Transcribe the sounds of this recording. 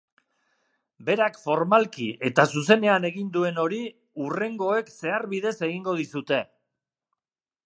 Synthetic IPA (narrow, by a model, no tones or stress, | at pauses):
be̞ɾakfo̞ɾmalkiʔe̞t̪asuse̞ne̞ane̞ɣind̪ue̞no̞ɾi | ure̞ŋɡo̞e̞kse̞aɾβið̞e̞se̞ɣiŋɡo̞ð̞isut̪e̞